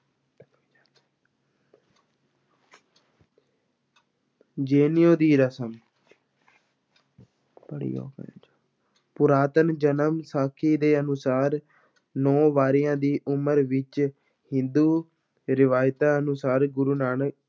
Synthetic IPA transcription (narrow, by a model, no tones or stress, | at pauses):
d͡ʒeːnɪjõːd̪iːɾəsəm | bəɽḭːo̰ːkː | pʊɾaːt̪ənd͡ʒənəmsaːkʰiːd̪eːənʊsaːɾ | nɔ̃ːʋaːɾɪjãːd̪iːʔʊməɾʋɪt͡ʃ | hɪ̃nd̪uː | ɾɪʋaːjt̪aːənʊsaːɾɡʊɾuːnaːnək